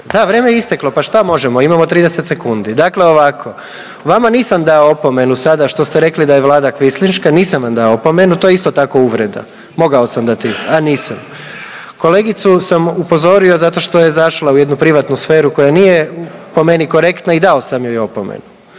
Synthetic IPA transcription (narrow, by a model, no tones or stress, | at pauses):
d̪aʋɾeːmejeist̪eklˠo̞paʃt̪amo̞ʒemo̞imamo̞t̪ɾiːd̪ese̞t̪se̞kund̪id̪akle̞o̞ʋakʰo̞ | ʋamaniːsamd̪aoopo̞me̞nusad̪aʃt̪o̞st̪eɾe̞klid̪aje̞ʋlˠaːd̪akʋislinʃkaniːsamʋamd̪aoopo̞me̞nut̪ojeist̪ot̪ako̞uʋɾe̞d̪a̰ | mo̞ɡao̞samd̪at̪ianiːsam | ko̞le̞ːɡit̪susamupo̞zo̞ɾio̞zat̪o̞ʃt̪o̞je̞zaʃlˠauje̞d̪nupɾiʋat̪nusfe̞ːɾuko̞janijepo̞me̞niko̞ɾekt̪naid̪ao̞samjojo̞pomḛnu